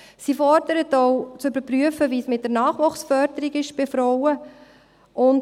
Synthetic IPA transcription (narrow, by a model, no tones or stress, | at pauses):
sifɔɾd̥əɾətɔwt͡sʏbəɾpryəfəʋismɪt̚dəɾnɑːχʋʊχsfœɾdəɾiɡɪʃb̥ɪfɾɔwə | ʔʊn